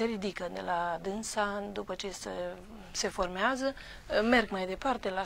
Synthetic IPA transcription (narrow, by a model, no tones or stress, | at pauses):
e̞ɾid̪ikəd̪ḛlad̪ɨnsad̪upət͡ʃesə | se̞fo̞rmeazə | me̞rɡmajd̪e̞part̪e̞la